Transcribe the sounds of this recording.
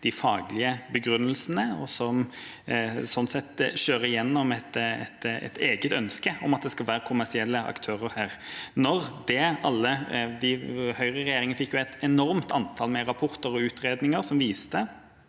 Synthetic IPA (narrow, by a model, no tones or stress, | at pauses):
d̪̥ɪfɑːɡlɪəbəɡɾʉnːəlsnəɔsɔm | sɔnsɛt̪ʃøːɾəɪjɛnːɔmɛt̪ɛ̰t̪ɛ̰t̪ʰeːɡət̪œnskəɔmɑt̪̚d̪ɛskɑlʋæːɾəkʰʊmæsɪɛlːəɑ̰kt̪ʰøːɾəɾhæːɾnɔɾd̪ɛɑlːəd̪ɪhœʏʁəɾɛjeːɾɪŋənfɪkːjʊæɪt̪ɛnɔɾmt̪ɑnt̪ʰɑːlmɛɾɑpʰɔɾt̪əɾɔʉːt̪ɾeːd̪nɪŋəɾsɔmʋiːst̪ə